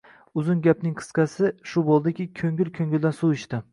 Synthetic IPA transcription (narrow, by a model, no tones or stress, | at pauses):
ʊzʊnɡʲapnɪŋqʰɨ̥sqʰɑsɪʃʊbolˠd̪ɪkʲɪkʲʰɵŋɡʲɪlkʲʰɵŋʲɪld̪ansuɪʃt̪ɪ